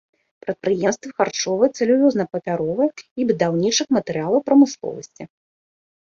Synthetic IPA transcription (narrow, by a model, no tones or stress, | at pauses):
pɾɐt̪̚pɾɨjɛmst̪vɨxart͡ʂɔvɨjɛt̪sɐlʲuvʲɔznɐpɐpʲaɾɔvɨjɛibɨd̪awnʲit͡ʂɨxmɐt̪ɨɾɨjalˠɐwpɾɐmɨslˠɔ̰vɐsʲt͡sʲi